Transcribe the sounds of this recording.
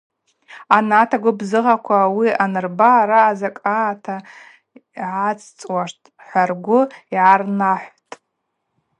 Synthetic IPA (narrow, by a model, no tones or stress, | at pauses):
anatʰaɡʷʊbzɨʁakʷʰawianɨrbaɾaːzakʼaːtʰa | ʕat͡sʰʼt͡sʼwaʂtʰʼ | ħʷarɡʷʊiʕarnaħʷtʼ